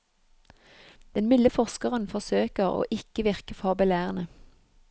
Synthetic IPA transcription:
d̪̥ɛnmɪləfɔʁskəʁənfɔʁsøːkəʁo̰ːʔɪkəʋɪʁkəfɑːbəlæːʁənə

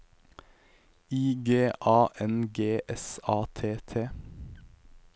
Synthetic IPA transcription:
iːɡeːʔɑːʔɛnɡeːʔɛsɑːt̪ʰeːt̪ʰeː

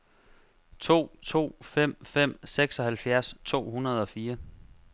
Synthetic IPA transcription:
t͡sʰo̝̰ːt͡sʰo̝̰ːfem̰fem̰seɡ̥sɒ̽hælfjæɐst͡sʰo̝̰ːhunɐð̞̩ˠɒ̽fiːɐ

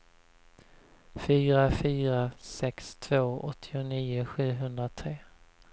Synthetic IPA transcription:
fyːɾafyːɾasɛkst̪ʰv̥oːɔt̪ʰːɪʊniːʊɧʉ̟ːɦɵnd̪ɾat̪ʰɾeː

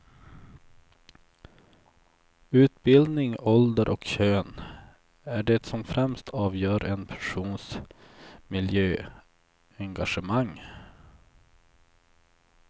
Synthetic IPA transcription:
ʉ̟ːt̪̚bɪld̪nɪŋɔld̪əɾʔɔkɕøːn | æɖɛt̪sɔmfɾɛmst̪ʰɑːvjœːɾʔɛnpʰæ̥ʂuːns | mɪljøː | ɛŋɡaʂəmaŋː

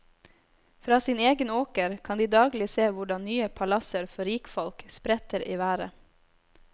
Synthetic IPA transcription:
fɾɑːsiːneːɡənoːkəɾkʰɑnd̪iːd̪ɑːɡlɪseːʋʊɖɑnnyːəpʰɑlɑsəɾfɔɾiːkfɔlkspɾɛt̪əɾʔiːʋæːɾə̰

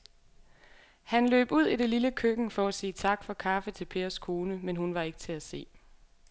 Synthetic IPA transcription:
hænlø̰ːb̥uð̞̰ˠiɾ̥e̝liləkʰøɡ̥n̩fɒ̽æsiːt͡sʰɑ̈ɡ̥fɒ̽kʰɑ̈fət͡sʰe̝lpʰe̝ːɐskʰo̝ːnəmenɦunʋɑ̈e̝ɡ̥ət͡sʰe̝æse̝̰ː

